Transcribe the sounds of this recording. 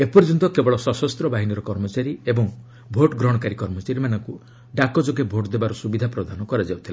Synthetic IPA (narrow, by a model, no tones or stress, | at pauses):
epɔɾd͡ʒɔnt̪ɔkebɔɭɔsɔsɔst̪ɾɔbaɦiniɾɔkɔɾmɔt͡ʃaɾiebɔŋ | bʱoʈɡɾɔɽ̃ɔkaɾikɔɾmɔt͡ʃaɾimanɔŋku | ɖakɔd͡ʒoɡebʱoʈd̪ebaɾɔsubid̪ʱapɾɔd̪ʱanɔkɔɾad͡ʒawt̪ʰila